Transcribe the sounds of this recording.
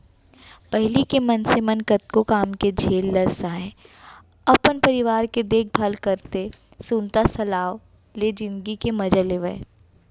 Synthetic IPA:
pɛɦlikemɐnsemɐnkət̪̚kokaːmked͡ʒʱeːlːɐɾsaːɛ̃ | ɐpənpɐɾɪʋaːɾked̪eːk̚bʱalkɐɾt̪e | sũnt̪asɐlaːʋ | led͡ʒɪ̃nd̪ɡikemɐd͡ʒaleʋɛ̰

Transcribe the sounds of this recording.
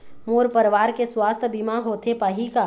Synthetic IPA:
moːɾpəɾʋaːɾkeswaːst̪ʰbimaɦoːt̪ʰepaːɦika

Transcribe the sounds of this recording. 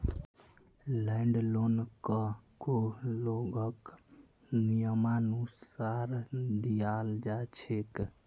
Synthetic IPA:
lɛɳɖlonkəkoloɡək | nijəmanusaɾd̪ijald͡ʒat͡ʃʰek

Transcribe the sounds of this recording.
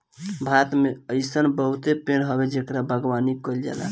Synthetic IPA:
bʱat̪meəjsənbəɦut̪epenɦəbed͡ʒekɾabʱəɡʋanikɔld͡ʒa̰la̰

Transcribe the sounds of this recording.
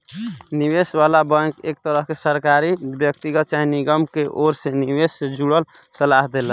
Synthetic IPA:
niwesʋalabə̃kek̚t̪əɾəɦkesəɾkaɾibjəkt̪iɡət̪̚t͡ʃaɦiniɡəmkeʔoɾsẽniwessed͡ʒuɽəl | səlaɦd̪elən

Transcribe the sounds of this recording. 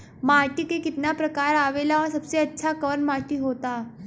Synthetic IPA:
maʈ̪iːkekit̪napɾəkaɾaʋelaʋəɾsəbseətːɕʰakənmaʈ̪iːɦot̪a

